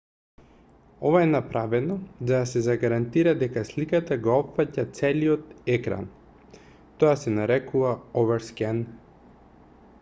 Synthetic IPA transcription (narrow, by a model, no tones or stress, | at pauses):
ɔvaɛnapɾavɛnɔd̪ad̪asɛzaɡaɾant̪iɾad̪ɛkaslikat̪aɡoɔpfacat̪sɛliɔt̪ɛkɾa̰n | t̪ɔasɛnaɾɛkuvaɔvɛɾskɛn